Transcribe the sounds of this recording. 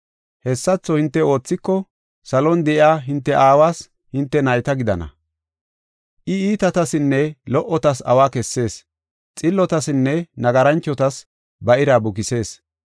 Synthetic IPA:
hɛsːɐt͡sːɔhɪnt̪ːɛo̞ːt͡sːɪkːɔ | sɐlɔnd̪ɛʔɪaːɦɪnt̪ːɛʔaːwaːs | hɪnt̪ːɛnɐjt̪ɐɡɪd̪ɐ̰nɐ̰ | ʔɪiːt̪ɐt̪ɐsɪnːɛlɔʔɔt̪ɐsɐ̰waːkɛsːe̞ːs | t͡sʼɪlːɔt̪ɐsɪnːɛnɐɡɐɾɐnt͡ʃːɔt̪ɐs | bɐʔɪɾaːbʊkɪse̞ːs

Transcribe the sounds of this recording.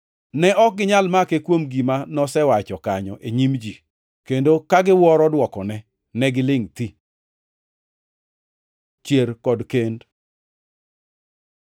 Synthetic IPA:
nɛʔɔk̚ɡɪɲalmakekwomɡimanɔsɛwat͡ʃɔkaɲɔ̰ʔeɲimd͡ʒi | kendokaɡɪwɔɾɔdwɔkɔnɛ | nɛɡɪlɪŋti | t͡ʃjeɾkɔdkend

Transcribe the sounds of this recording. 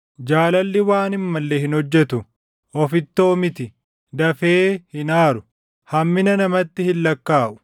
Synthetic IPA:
d͡ʒaːlɐlːɪwaːnɪmːɐlːeːhɪnhɔd͡ʒːɛt̪ʊ | ɔfɪt̪ːo̞ːmɪt̪ɪ | d̪ɐfeːhɪnaːɾʊ | hɐmːɪnɐnɐmɐt̪ːɪhɪlːɐkːaːʔʊ̥

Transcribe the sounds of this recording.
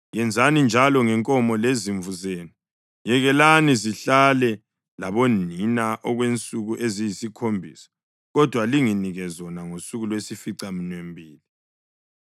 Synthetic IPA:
jɛnd͡zʱanind͡ʒʱalɔŋɛŋkʼɔmɔleziɱvuzeːnu | jɛɣɛlaniziɬalɛ | laβoninaʔɔɣwent͡sʼuɣuʔezijisikʰombʱisḁ | ɣɔd̥ʱwaliŋiniɣɛzɔnaŋosuɣulwesifiǀaminwembʱiːli

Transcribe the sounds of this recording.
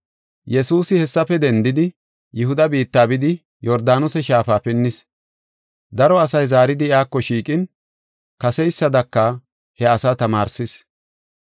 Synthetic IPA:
jɛsuːsɪhɛsːɐfɛd̪ɛnd̪ɪd̪ɪ | jɪhʊd̪ɐbiːt̪ːaːbɪd̪ɪ | jɔɾd̪aːnʊsɛʃaːfaːpɪnːɪs | d̪ɐɾɔɐsɐjzaːɾɪd̪ɪjaːkːɔʃiːkʼɪn | kɐsɛjsːɐd̪ɐkːɐ | hɛɐsat̪ɐmaːɾsɪs

